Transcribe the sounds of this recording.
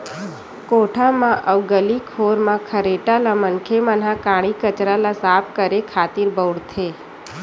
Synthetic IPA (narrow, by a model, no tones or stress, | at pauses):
koʈʰamãʔəʋɡəlikʰoɾmãkʰəɾeʈalamənkʰeman̤ãkaɽ̃ikət͡ʃɾalasapkəɾekʰat̪iɾbəʋɽt̪ʰe